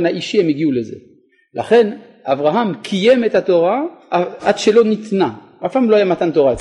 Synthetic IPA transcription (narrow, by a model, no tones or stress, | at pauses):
naʔiʃihemiɡiuleze̞̰ | la̰χe̞n | ʔavʁaɦamkʰije̞met̪hat̪o̞ʁa | ad̥ʃelo̞nit̪na | ʔafpamlo̞hajamat̪ant̪o̞ʁaet͡s